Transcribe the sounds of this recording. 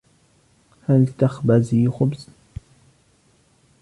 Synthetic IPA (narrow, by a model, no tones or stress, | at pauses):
halt̪axbazixʊbz